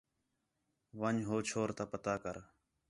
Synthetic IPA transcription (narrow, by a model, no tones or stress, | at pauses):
ʋəɲɦoːt͡ʃʰoːɾt̪aːpət̪aːkəɾ